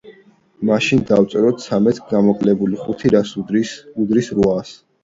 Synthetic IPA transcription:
maʃind̪aft̪sʼɛɾɔt̪ʰsʰamɛt̪ʰɡamɔqʼlɛbuliχut̪ʰiɾasuud̪ɾisɾuas

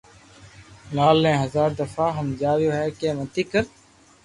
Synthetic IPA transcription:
laːlːẽːɦəzaːɾd̪əfaːɦəmd͡ʒaːʋjoːɦɛːkeːmət̪iːkəɾ

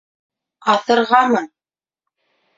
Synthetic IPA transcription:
ɑθɤ̆ɾʁɑmɤ

